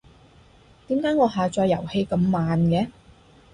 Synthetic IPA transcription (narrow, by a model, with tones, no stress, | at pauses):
t̪iː˨˥mkaː˨˥jŋɔː˨˧ɦaː˨t͡ʃɔː˧jːɐ˨˩whe˧jkɐ˧mːaː˨nkɛː˨˥